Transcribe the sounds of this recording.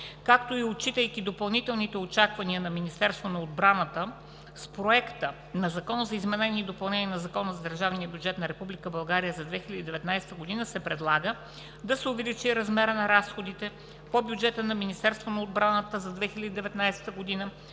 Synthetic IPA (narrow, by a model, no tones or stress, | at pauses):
kakt̪oiot͡ʃit̪əjkʲid̪opɐlˠnit̪ɛlˠnit̪ɛot͡ʃakvɐniənɐminist̪ɛɾst̪vonɐod̪̚bɾanət̪ə | spɾoɛkt̪ə | nɐzɐkɔnzɐizmɛnɛnʲiːd̪opɐlˠnɛniənɐzɐkɔnəzɐd̪əɾʒavniəbʲjud͡ʒɛt̪nɐɾɛpublʲikəbɐlˠɡaɾijəzɐd̪vɛxilʲəd̪id̪ɛvɛt̪najsɛ̥t̪əɡod̪inəsɛpɾɛd̪lˠaɡə | d̪ɐsɛʊvɛlit͡ʃiɾɐzmɛɾənɐɾasxod̪it̪ɛ | pobʲjud͡ʒɛt̪ənɐminʲist̪ɛɾst̪vonɐod̪̚bɾanət̪əzɐd̪vɛxilʲəd̪id̪ɛvɛt̪najsɛ̥t̪əɡod̪inə